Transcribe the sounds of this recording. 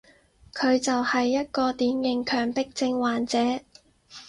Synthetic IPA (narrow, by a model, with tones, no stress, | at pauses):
kʰɵ˨˧ɥt͡sɐ˨whɐ˨jːɐ˥t̚kɔː˧t̪iː˨˥njɪ˨˧ŋkʰœː˨ŋpɪ˥k̚t͡sɪ˧ŋwaː˨˩nt͡sɛː˨˥